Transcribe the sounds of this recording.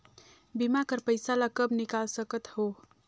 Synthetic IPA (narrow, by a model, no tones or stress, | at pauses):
bimakəɾpəjsalakəbnikalsəkət̪ho